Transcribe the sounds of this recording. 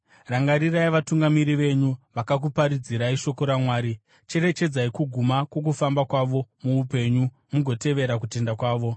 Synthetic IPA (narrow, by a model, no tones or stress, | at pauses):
raŋɡaɾiraiʋatuŋɡamiɾiʋe̞ɲuʋakak̬upaɾid͡ziɾaiʃo̞ko̞ɾamwaːɾi | t͡ʃe̞ɾe̞t͡ʃe̞d͡zaikuɡʱumakwo̞k̬ufambakwaʋo̞muːpe̞ɲu | muɡʱo̞te̞ʋe̞ɾak̬ute̞ndakwaːʋo̞